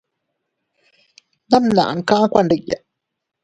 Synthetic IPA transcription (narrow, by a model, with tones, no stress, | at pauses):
na˦mna̰˨ʔa̰˨ŋka˦kʷa˨ɳɖi˨kja̰